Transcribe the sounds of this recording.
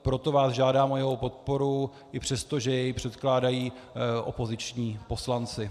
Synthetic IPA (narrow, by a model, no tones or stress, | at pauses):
pɾo̞t̪o̞vaːzʒaːdaːmojɛowpo̞t̪̚po̞ɾu | ʔɪpr̝̥ɛst̪oʒɛjɛjpr̝̥ɛt̪klaːdajiː | ʔo̰po̞zɪt͡ʃɲiːpo̞slant͡sɪ